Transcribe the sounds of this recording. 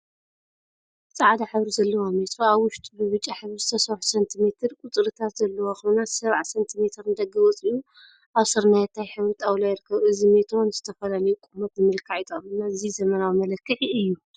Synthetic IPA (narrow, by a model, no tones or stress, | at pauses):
t͡sʼaʕad̪aħɨβɾizɐlːɐwomet̪ʰɾoaβwʊʃt̪ʼbɨβɨt͡ʃʼːaħɨβɨzt̪ʰɐsɐβħsɐnt̪ʰime̞t̪ʰɨɾkʼʊt̪ʼɾɨt̪ʰat̪zɐlːɐwoxɨβnasɐβʕasɐnt̪ʰime̞t̪ʰɨɾnɨd̪ɐɡɐwɔt͡sʼiju | ʔaβsɨɾnajɛt̪ʰːajħɨβɾɨt̪ʼawlajɪɾɨkʰːɐβʔɨzimet̪ʰonzɨt̪ʰɐfɐlalɐjukʼumɐt̪zɨmɨlkʰaʕit̪ʼɐmɨnːaɨzizɐmɐnawimɐlɐkːɨħiɨjːu